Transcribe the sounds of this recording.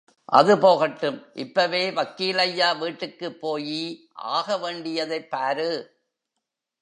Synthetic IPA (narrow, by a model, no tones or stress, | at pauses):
ʔɐ̰ðɯpoːɣɐʈːɯmʔɪpːɐʋeːʋɐkːiːlɐjːaːʋiːʈːɯkːɯpːoːji | ʔa̰ːɣɐʋeːɳɖɪjɐðɐɪpːaːɾɯ